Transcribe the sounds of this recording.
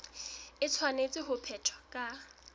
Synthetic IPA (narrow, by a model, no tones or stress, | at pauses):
ɪt͡sʰwanet͡sʼɪɦʊpʰɛtʰɔ̥kʼa